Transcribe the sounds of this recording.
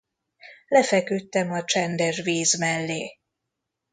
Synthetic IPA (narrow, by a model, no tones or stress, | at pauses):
lɛfɛkyt̪ːɛmɒt͡ʃɛnd̪ɛʒviːzmɛlːeː